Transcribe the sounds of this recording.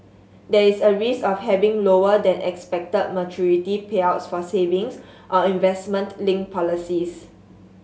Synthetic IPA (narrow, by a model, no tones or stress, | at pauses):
dɛisəɹisɔfhɛvĩŋloədɛ̃nʔɛ̰kspɛk̚təd̚mət͡ʃʰuɹitipʰeaʊtsfɔsevɪ̃ŋs | ʔɔĩnvɛsmə̃ntlɪ̃ŋpʰɔlisis